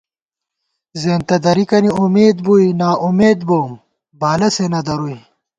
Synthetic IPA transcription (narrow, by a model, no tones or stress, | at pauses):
zeːnt̪ɐd̪ɐɾikɐniumeːd̪buinaːʔumeːd̪̚boːm | baːlɐsenɐd̪ɐɾui